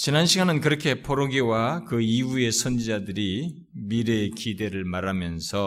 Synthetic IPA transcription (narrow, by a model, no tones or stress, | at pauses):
t͡ɕinanɕʰiɡanɯnkɯɾʌkʰe̞pʰoɾoɡiwakɯiue̞sʰʌnd͡ʑid͡ʑadɯɾi | miɾekide̞ɾɯɭmaɾamjʌnsʰʌ